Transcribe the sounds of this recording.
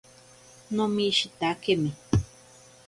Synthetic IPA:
nõmĩʃit̪akemĩ

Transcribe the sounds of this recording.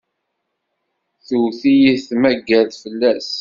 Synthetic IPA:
θuwθijiθmæɡːælfəlːæs

